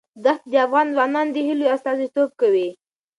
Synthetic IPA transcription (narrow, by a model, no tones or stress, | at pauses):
d̪axt̪̚d̪əafɣɑnzwɑnɑnd̪əhiloast̪ɑzit̪ob̚kawi